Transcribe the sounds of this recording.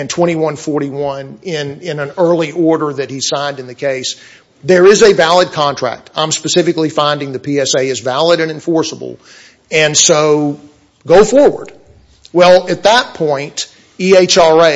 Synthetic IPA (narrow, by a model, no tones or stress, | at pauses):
ɨ̃ntʰw̥ɛ̃ɾ̃iwʌ̃nfɔɹɾiwʌ̃nɪ̃nɪ̃nə̃nɜ˞lˠiʔɔɹɾə˞ðɨt̚hi̥sãɪ̃ndɨ̃nðɨkʰeɪs | ðə˞ɪzɨvælˠəd̚kʰɑ̃ntʰɹ̥æ̰k̚tã̰ɪ̃mspɨsɪfɨklifãɪ̃ndɪ̃ŋðɨpʰiɛseɪɨzvælˠəɾɨ̃nɨ̃ɱfɔɹsəbl̩ˠ | ɨ̃nsoʊ | ɡoʊfɔɹwə̰˞d̥̚ | wɛlˠɨt̪̚ðət̚pʰɔ̃ɪ̃nt | ieɪt͡ʃɑe